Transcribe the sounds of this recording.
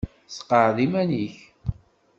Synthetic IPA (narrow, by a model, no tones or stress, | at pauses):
sə̥qːəʕðimæniç